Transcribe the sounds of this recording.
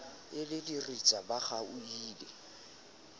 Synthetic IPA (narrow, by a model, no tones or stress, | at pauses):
ɪlɪdirit͡sʼabaχauiːlɛ